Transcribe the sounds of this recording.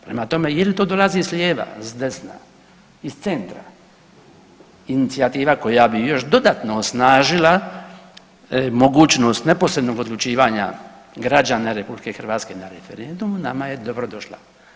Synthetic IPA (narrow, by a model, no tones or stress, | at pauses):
pɾemat̪o̞me̞jelt̪oːd̪o̞lazizslʲjeːʋa̰zd̪e̞sna̰ | ist̪se̞nt̪ɾa̰ | init̪siat̪iːʋako̞jabijo̞ʃd̪o̞d̪at̪no̞ːsnaːʒila | mo̞ɡuːt͡ʃno̞st̪nepo̞sɾed̪no̞ɡo̞d̪lut͡ʃiːʋaɲa̰ | ɡɾad͡ʒanaɾe̞publike̞xrʋaːt̪ske̞naɾefe̞ɾend̪umunamaje̞d̪o̞bɾo̞d̪o̞ʃla̰